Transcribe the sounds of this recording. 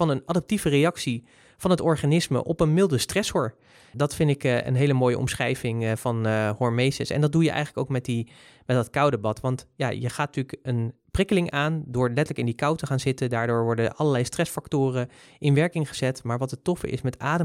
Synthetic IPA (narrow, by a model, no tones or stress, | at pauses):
vɑnənadəp̚tivərejɑksi | v̥ɑnɦətɔɹχanɪsmə̰ʔɔpənmɪlˠdəstrɛshɔɹ | dɑtfɪndɪkə̰nɦejləmoːjə̰ʔɔ̰msχrɛjvɪŋvɑnhɔɹmejsəsɛ̰ndɑd̚dujəʔɛ̰jχələkowkmɛt̚di | mɛt̚dɑtkʌwdəbɑtʋɑntjaːjəχaːtntykən | prɪkəlɪŋaːndʊːɹlɛtələkɪndikɑwtəχaːnzɪtəndaːɹdʊːɹʋɔɹdəʔɑləɹlɛjstrɛsfɑktʊːrəʔɪnʋɛɹkɪŋχəz̥ɛtmaːɹʋɑtətɔfə̰ʔɪ̰smɛtaːdə